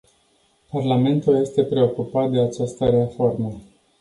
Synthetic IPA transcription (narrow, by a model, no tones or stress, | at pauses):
parlame̞nt̪ulje̞st̪e̞pɾe̞o̞kupat̪̚d̪e̞at͡ʃast̪əɾeafo̞rmə